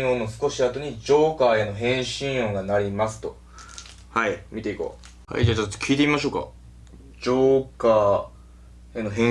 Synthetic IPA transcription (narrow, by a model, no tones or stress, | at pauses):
o̞ːnosɨ̥ko̞ɕiat̪o̞ɲ̟id͡ʑo̞ːkaːeno̞ɦẽ̞ɰ̃ɕĩɰ̃o̞ːɡanaɾʲimasɨ̥t̪o̞ | haimʲit̪e̞iko̞̰ː | ha̰ḭd͡ʑat͡ɕo̥kʲʰiːt̪emʲimaɕoːka̰ | d͡ʑoːkaː | eno̞ɦẽ